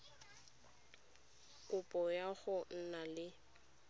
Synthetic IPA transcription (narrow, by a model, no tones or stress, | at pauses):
kʼʊpʼɔjaɣʊn̩nalɪ